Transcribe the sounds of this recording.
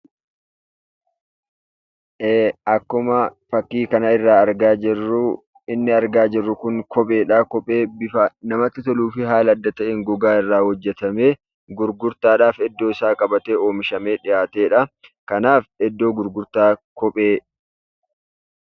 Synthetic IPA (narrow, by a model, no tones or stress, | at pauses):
ʔeːɐkːʊmɐfɐkːiːkɐnɐɪrːaːɐɾɡaːd͡ʒɪrːʊ | ɪnːɪɐɾɡaːd͡ʒɪrːʊkʊŋkɔpʼe̞ːᶑakɔpʼeːbɪfɐnɐmɐt̪ːɪt̪ɔluːfɪɦaːlɐɐd̪ːɐt̪ɐʔɛŋɡɔɡaːɪrːaːhɔd͡ʒːɛt̪ɐmeː | ɡʊɾɡʊɾt̪aːᶑaːfɛd̪ːoːɪsaːkʼɐbɐt̪eːo̞ːmɪʃɐme̞ːᶑɪjaːt̪e̞ːᶑɐkɐnaːfɛd̪ːo̞ːɡʊɾɡʊɾt̪aːkɔpʼeː